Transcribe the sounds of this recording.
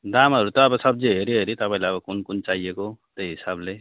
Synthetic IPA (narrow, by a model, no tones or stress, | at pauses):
d̪amɦʌɾut̪ʌːbʌsʌb̚d͡zeɦeɾiɦeɾit̪ʌpaĩlajʌbʌkunkunt͡saiekot̪ejɦisable